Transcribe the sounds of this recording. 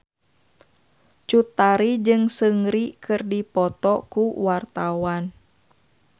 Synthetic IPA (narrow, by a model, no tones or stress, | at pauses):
t͡ʃut̪aɾid͡ʒɨŋsəŋɾikɨrdipɔt̪ɔkuwart̪awan